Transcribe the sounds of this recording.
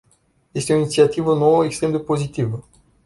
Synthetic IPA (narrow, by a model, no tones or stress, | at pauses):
jest̪eoinit̪siat̪ivənoəekst̪ɾe̞md̪epo̞zit̪ivə